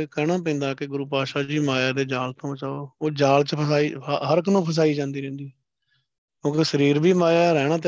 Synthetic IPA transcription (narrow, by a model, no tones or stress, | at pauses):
kəɳ̃ãːp̬ɛ̃ːnd̪aːkeɡʊɾuːpaːʃaːd͡ʒiːmaːjaːd̪eːd͡ʒaːlt̪õːt͡ʃaːoːoːd͡ʒaːlt͡ʃəəsaːiːɦəɾkənõːpʰəs̬aːiːd͡ʒãːnd̪iːɾɛ̃ːnd̪iː | kõːkesəɾiːɾbiːmaːjaːɾɛːɽ̃ãːt̪ː